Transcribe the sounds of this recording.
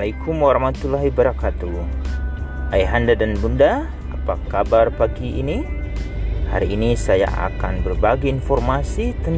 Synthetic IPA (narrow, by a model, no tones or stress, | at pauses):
laikʰumaɾamat̪ulaɦibəɾakat̪u | ʔajɦandadanbunda | apakabarpaɡiːni | ha̰ɾiːnisaja̰ʔa̰ka̰nbərbaɡiːnfɔrmasit̪ən